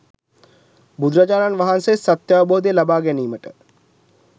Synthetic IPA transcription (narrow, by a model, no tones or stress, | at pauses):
bud̪ɾɐd͡ʒaːɾanʋɐɦansesɐt̪jaːboːd̪elɐbaːɡɛniːməʈə